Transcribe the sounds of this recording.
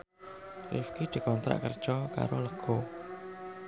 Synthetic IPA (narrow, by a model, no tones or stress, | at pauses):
rḭfkid̪̥i̤kɔnt̪ɾa̰ʔkərd̥ʒ̥ɔka̰ɾoləɡ̥ɔ